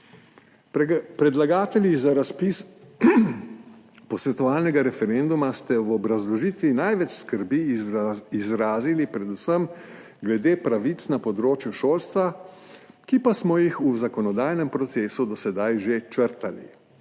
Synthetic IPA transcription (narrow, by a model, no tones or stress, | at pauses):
pɾɛd̪laɡaːt̪ɛljizaɾaspis | pɔsʋɛt̪ɔʋaːlnɛɡaɾɛfɛɾend̪umast̪ɛwɔbɾazlɔʒiːt̪ʋinajʋɛt͡ʃskəɾbi | izɾaːzilipɾɛd̪usəm | ɡlɛd̪eːpɾaʋit̪snapɔd̪ɾoːt͡ʃjuʃoːlst̪ʋa | kipasmɔjixuzakɔnɔd̪aːjnɛmpɾɔt̪seːsud̪ɔsɛd̪ajʒet͡ʃəɾt̪ali